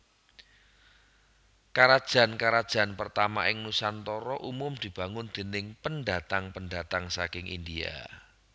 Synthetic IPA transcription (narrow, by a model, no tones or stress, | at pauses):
kaɾad̥ʒ̥a̤nkaɾad̥ʒ̥ä̤npərt̪ama̰ʔɪŋnusant̪ɔɾɔʔumʊmd̪̥i̤b̥a̤ŋʊnd̪̥e̤nɪŋpənɖa̤t̪aŋpənda̤t̪aŋsakɪŋʔḭndia̰